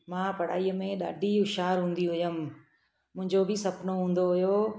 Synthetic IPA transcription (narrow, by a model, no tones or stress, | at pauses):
mãːpɐɽ̤a̰ːiːəmẽɗa̰ːɖʱiʊʃaːɾɦũːn̆d̪iɦʊjəm | mʊ̃ɦɪ̃ɲd͡ʑobʱɪsɐpnoɦũːn̆d̪oɦʊjoː